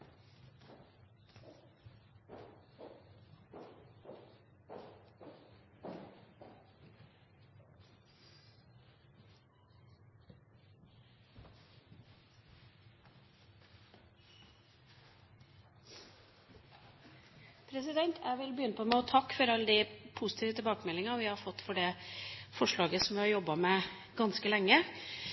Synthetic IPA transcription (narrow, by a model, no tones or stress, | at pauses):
pʰɾɛsɪd̪ɛnt̪ʰʔæʋɪlbəjʏːnəpʰɔmɛɔt̪ʰɑkːfɔɾɑlːəd̪ɪpʰʊsɪ̥t̪ʰiːʋət̪ʰɪbɑːkəmɛlɪŋɑʋɪhɑɾfɔt̪ːfɔɖeːfɔʂɭɑːɡəsɔmʋɪhɑɾjɔbːɑmɛː | ɡɑnskəlɛŋːə